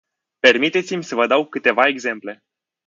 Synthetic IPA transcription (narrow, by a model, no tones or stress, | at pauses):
pe̞rmit̪e̞t̪simʲsəvəd̪awkɨt̪e̞vae̞ɡze̞mple̞